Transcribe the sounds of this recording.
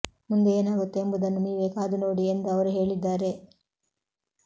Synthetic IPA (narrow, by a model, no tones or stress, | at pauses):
mund̪eeːnaːɡut̪ːeːmbud̪ɐnːuniːʋeːkaːd̪uno̞ːɽiend̪uɐʋɐɾuɦe̞ːɭid̪ːaːɾe̞